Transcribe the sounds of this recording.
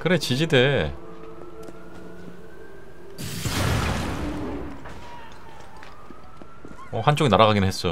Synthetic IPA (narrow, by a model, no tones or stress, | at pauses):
kɯɾet͡ɕid͡ʑide̞ | ʌhant͡ɕ͈oɡinaɾaɣaɡinɯnɦes͈ʌ